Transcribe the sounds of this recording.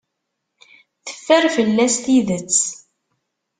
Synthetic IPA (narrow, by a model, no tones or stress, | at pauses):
θə̥fːəɾfəlːæsθiðət͡sː